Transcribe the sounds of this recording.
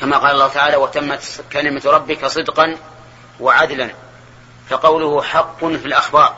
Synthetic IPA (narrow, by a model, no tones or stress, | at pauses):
kamaqɑːlɑlˤːɑːhʊt̪aʕaːlawat̪amːat̪kalɪmat̪ɾˤɑbːɪkasˤɨd̪qɑn | waʕad̪lan | faqɑwlʊhʊħɑqːʊnfilʔaxbɑːɾˤ